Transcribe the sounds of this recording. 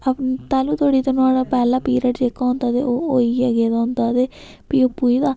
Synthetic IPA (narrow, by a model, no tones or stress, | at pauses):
əpt̪aːluːt̪ʰoːɽiːt̪əñaːɽaːpɛːlãːpiːɾəʈd͡ʒeːkːaːnd̪aːd̪eːoːoːiːaɡeːd̪aːʊ̃nd̪aːd̪eː | piːopːuːid̪aː